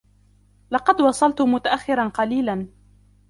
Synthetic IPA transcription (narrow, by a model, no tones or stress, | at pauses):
lɑqɑd̪wɑsˤɑlt̪ʊmʊt̪aʔaxːɪɾɑnqɑliːlan